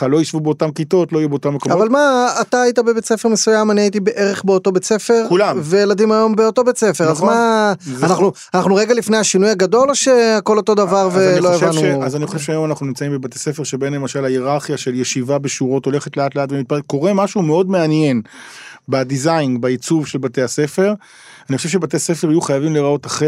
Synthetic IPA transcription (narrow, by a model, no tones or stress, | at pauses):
alo̞jiʃvubeotamkito̞tloijuɛbeotamːekomavalmaːt̪aːjitabe̞bet͡se̞femesujamaniait̬ibeʔe̞ʁeχbeoto̞bet͡se̞fe̞ʁkulamvejeladimajo̞mbeo̞to̞bet͡sefe̞ʁazmaanaχnu | anaχnuʁeɡalifne̞jhaʃinujaɡado̞lʃe̞ako̞lo̞t̪o̞d̪avaʁvelojaʃavnuazaniχoʃevʃeajo̞manaχnunimt͡saimbebat̪ese̞feʁʃebenlemaʃalajeʁaʁχijaʃe̞ljeʃivabeʃuʁo̞to̞le̞χet̪leat̪leaːtvemit̪̚paeko̞ʁe̞maʃumeo̞dmeanje̞nbad̪izajnbait͡suvʃelbate̞ase̞fe̞ʁ | aniχoʃevʃebate̞asefeʁajuχajavimleʁao̞taχe